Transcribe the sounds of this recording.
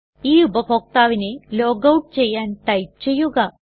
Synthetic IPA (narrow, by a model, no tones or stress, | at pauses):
iːubʱɐpok̚t̪aːʋineloːɡɐwʈ̚t͡ʃɛjːaːnit̪ɐjp̚t͡ʃɛjuːɡaː